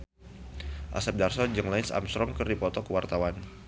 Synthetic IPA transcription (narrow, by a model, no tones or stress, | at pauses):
ʔa̰sap̚darsɔd͡ʒəŋlansa̰mst̪ɾɔŋkɨrdipɔt̪ɔkəwart̪awan